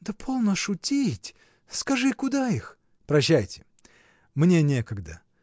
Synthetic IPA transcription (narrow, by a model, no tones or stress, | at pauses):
d̪əpʰo̞lˠnəʂʊtʲitʲ | skɐʐɨkʊd̪aix | pɾɐɕːæjtʲɪ̥ | mnʲe̞nʲekəɡd̪ə